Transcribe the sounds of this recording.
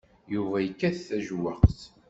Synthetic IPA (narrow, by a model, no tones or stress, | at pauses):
juvæjəkːæθθæʒwaqθ